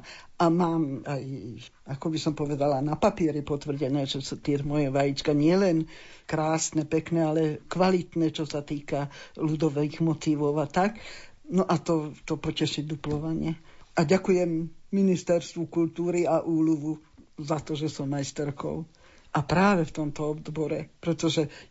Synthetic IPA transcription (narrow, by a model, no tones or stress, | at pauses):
ʔamaːmaj | akɔbisɔmpɔʋɛd̪alanapapɪɛɾipɔt̪ʋr̩ɟɛnɛːʒɛsut̪ɪɛmɔjɛʋajit͡ʃkaɲɪɛlɛn | kɾaːsnɛpɛknɛalɛkʋalit̪nɛt͡ʃɔsat̪iːkalud̪ɔʋɛɣmɔt̪iʋɔʊat̪aknɔʔat̪ɔt̪ɔpɔcɛʃiɟd̪uplɔʋaɲɪɛaɟakujɛmːinist̪ɛɾst̪ʋukult̪uːɾiaʔuːluʋuzat̪ɔʒɛsɔmːajst̪ɛɾkɔ̰ʊ | ʔapɾaːʋɛft̪ɔmt̪ɔɔbd̪bɔɾɛpɾɛt̪ɔʒɛ